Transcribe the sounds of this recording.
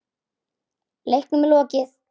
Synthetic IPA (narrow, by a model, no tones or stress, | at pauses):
lejhknʏmɛlɔːcɪθ